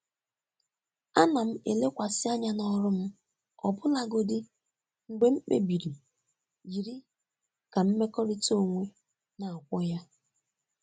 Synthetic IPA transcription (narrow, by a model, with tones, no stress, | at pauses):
a˦na˨m̩˦e˨le˦kʷa˨sɪ˦a˦ɲa˦nɔ˦ɾʊ˦m̩˦ | ɔ̰˨bʊ˦la˦ɡo˦dɪ˦ | ŋ̩˨ɡ͡be˦ŋ͡m̩˦k͡pḛ˦bi˨ɾi˨ | d͡ʒi˨ɾi˦ | ka˨m̩˦me˦kɔ˦ɾɪ˦to˦˨ŋʷe˦ | na˨a˨kʷɔ˦ja˦